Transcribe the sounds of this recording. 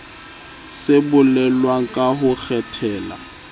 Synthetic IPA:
sebʊlɛlwaŋ̩kʼaɦʊk͡xʰɛtʰɛːla̰

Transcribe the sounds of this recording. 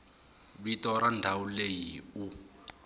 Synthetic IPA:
βitɔɾandʱaulejiu

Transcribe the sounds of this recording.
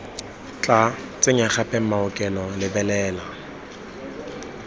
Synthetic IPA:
t͡ɬʼa | t͡sʼeɲaχapʼɛm̩maʊkʼɛlɔlɪbɛlɛːla

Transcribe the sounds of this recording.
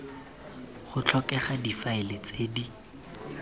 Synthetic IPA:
χʊt͡ɬʰɔkɛχadifaɪlet͡seːdi

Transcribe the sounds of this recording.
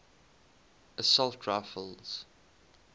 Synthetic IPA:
əsɔlˠtʰɹaɪfəlˠz̥

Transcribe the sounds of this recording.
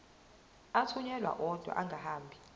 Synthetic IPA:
at͡sʰuɲɛlwa̰ʔɔd̥ʱwa̰ʔaŋɡʱahaːmbʱi

